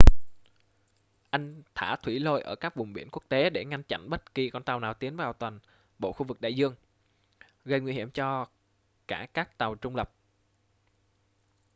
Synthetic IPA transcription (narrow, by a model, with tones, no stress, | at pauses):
ʔa˧jŋ̟t̪ʰaː˧˩t̪ʰwi˧˩lo˧jʔəː˧˩kaː˦˥k̚vʊ˨˩ŋ͡mɓi˧˩ənku˦˥ək̚t̪e˨˦ɗe˧˩ŋa˧ŋt͡ɕa̰˧˨nɓə˦˥t̚ki˧kɔ˧nt̪a˨˩wnaː˨˩wt̪i˨˦ənvaː˨˩wt̪wa˨˩n | ɓo̰˧˨xu˧vɨ˨˩k̚ɗa̰ː˧˨jzɨ˧əŋ | ɣə˧˩jŋwi˧hi˧˩əmt͡ɕɔ˧ | kaː˧˩kaː˦˥k̚t̪a˨˩wt͡ɕʊ˧ŋ͡mlə˨˩p̚